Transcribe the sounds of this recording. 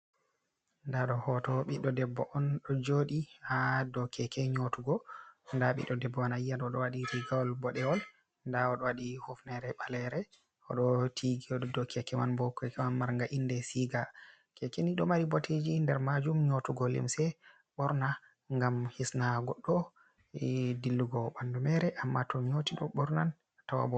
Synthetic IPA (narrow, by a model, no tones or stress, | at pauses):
ndaɗɔhɔtɔɓiɗːɔdɛbːɔʔɔnɗɔd͡ʒoɗiadɔkʰɛkɛɲotuɡɔndaɓḭɗɔdɛbːɔɔnajanɔɗɔwaɗiɾiɡawɔlbɔɗɛwɔl | ndaɔɗɔwaɗihofnɛɾɛɓalɛɾɛ | ɔ̰ɗɔtʰiɡiɔɔdɔkʰɛkɛmanbɔkʰɛkɛmanmaɾŋɡaʔindɛsiɡa | kɛkeniɗɔmaɾibɔtʰed͡ʒindɛɾmad͡ʒumɲotuɡɔlḭmsɛ | ɓɔɾna | ŋɡamhisnaɡɔɗːɔ | dilːuɡɔɓandumɛɾɛʔamːatʰɔɲotiɗɔɓɔɾnan | tawa̰bɔ